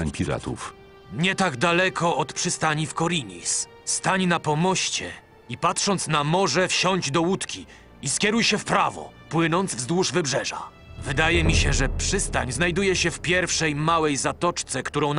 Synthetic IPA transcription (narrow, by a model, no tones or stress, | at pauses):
aɲpʲiɾa̰t̪ṵf | ɲɛt̪aɡd̪alɛkʰɔʔɔt̪pʂɘst̪aɲifkɔɾʲiɲḭs | st̪aɲnapɔmɔɕt͡ɕɛ̰ | ipat̪ʂɔnt̪snamɔʐɛfɕɔɲd͡ʑd̪ɔwut̪kʲi | iskʲɛɾujɕɛfpɾavɔ̰ | pwɘnɔnd̪zvzd̪wuʐvɘbʐɛʐa̰ | vɘd̪ajɛmʲiɕɛʐɛpʂɘst̪aɲznajd̪ujɛɕɛfpʲjɛɾfʂɛjmawɛjzat̪ɔt͡ʂt̪sɛkt̪uɾɔ̃w̃n